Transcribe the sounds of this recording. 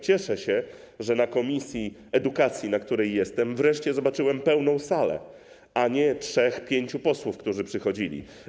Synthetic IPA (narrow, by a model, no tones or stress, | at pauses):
t͡ɕɛʂɛɕɛ | ʐɛnakɔmʲisʲji | ɛd̪ukat̪sʲjinakt̪uɾɛjːɛst̪ɛmvɾɛʂt͡ɕɛzɔbat͡ʂɘwɛmpɛwnɔ̃w̃salɛ̰ | aɲɛtʂɛxpʲjeɲt͡ɕupɔswufkt̪uʐɘpʂɘxɔd͡ʑilʲḭ